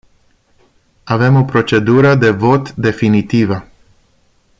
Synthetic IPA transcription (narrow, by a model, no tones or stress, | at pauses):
ave̞mo̞pɾo̞t͡ʃe̞d̪uɾəd̪e̞vo̞t̪d̪e̞finit̪ivə